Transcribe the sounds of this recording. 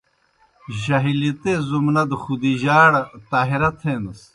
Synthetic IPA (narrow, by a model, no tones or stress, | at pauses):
ʑɐɦilit̪ezumnɐd̪xud̪iʑaːɽɐt̪aːɦiɾɐt̪ʰeːnɐs